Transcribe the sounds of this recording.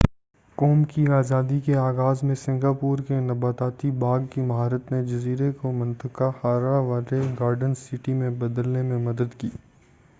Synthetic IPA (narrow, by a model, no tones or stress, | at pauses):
kɔːmkiaːzaːd̪ikeaːɣaːzmẽsɪ̃ŋɡaːpuːɾkenɐbaːt̪aːt̪ibaːɡkimɦaːɾət̪ned͡ʒɐziːɾekomɐ̃nt̪əkahaːɾaʋaːleɡaːɾɖənsɪʈimẽbɐd̪əlnemẽmɐd̪əd̪kiː